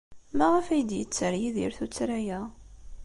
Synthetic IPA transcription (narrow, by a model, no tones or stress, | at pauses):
mæʁəfæjəd̪jət͡sːəɾjiðḭɾθut͡sːɾæjæ